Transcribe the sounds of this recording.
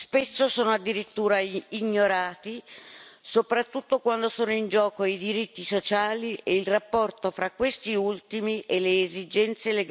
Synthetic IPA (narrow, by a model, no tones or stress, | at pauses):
spesːosoːnoad̪ːiɾit̪ːuːɾaiɲːoɾaːt̪i | sopɾat̪ːut̪ːokwand̪osoːnoind͡ʒɔːkoid̪iɾit̪ːisot͡ʃaːlieilrapːɔrt̪ofɾakːwest̪iult̪imiʔeleːzid͡ʒɛnt̪seleɡ